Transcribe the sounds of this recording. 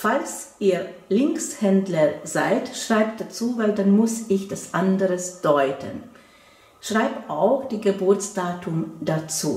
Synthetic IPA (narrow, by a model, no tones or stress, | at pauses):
falsʔiːɐlɪŋkshɛndlɐzaɪtʃʁ̥aɪp̚d̥at͡suːvaɪldanmʊsʔɪçd̥asʔandəʁəsd̥ɔʏtʰə̰n | ʃʁ̥aɪpʔaʊxd̥iːɡəbʊɐt͡sd̥aːtʰʊmd̥at͡sṵː